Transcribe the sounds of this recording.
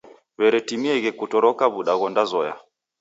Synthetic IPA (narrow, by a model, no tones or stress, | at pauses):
βɛɾɛtimiɛɣɛkutɔɾɔkaβuɗaɣɔndazɔja̰